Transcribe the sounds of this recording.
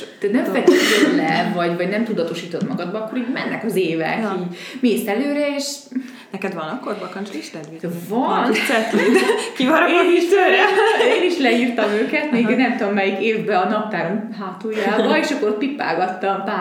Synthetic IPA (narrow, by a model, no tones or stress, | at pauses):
t̪ɛt̪nɛɱfɛk̪iolɛvɒɟvɒɟnɛmt̪ud̪ɒt̪o̞ʃiːt̪o̞t̪mɒɡɒd̪̚bɒɒkːo̞ɾiːɟmɛnːɛkɒzeːvɛ̰kiːmeːst̪ɛløːɾɛeːʃ | nɛkɛd̪ʋɒnɒkːorbɒkɔnt͡ʃliʃt̪ɛd̪ʋivɒnnsɛt̪lekivɒɾoziʃt̪ɛɾɛeːniʃlɛiːrt̪ɒmøːkɛt̪meːɡnɛmt̪oomːɛjikeːvbɛɒnɒp̚t̪aːɾomɦaːt̪uːjaːbɒeːʃɒkːoɾot̪̚pipːa̰ːɡɒt̪ːɒmpaː